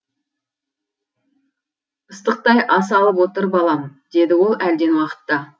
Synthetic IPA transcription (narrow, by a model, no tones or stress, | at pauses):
əst̪əq̚t̪ɑjʔɑs̬ɑlˠəp̬wo̞t̪əɾbɑlˠɑmd̪̥e̞d̪ɪwo̞lˠæld̪e̞nwɑqə̥t̪ːɑ